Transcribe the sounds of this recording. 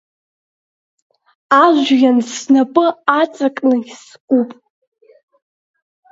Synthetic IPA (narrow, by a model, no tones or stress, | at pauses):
aʒʷjansnapʼɨat͡sʼakʼnaɡʲs | kʷʼupʼ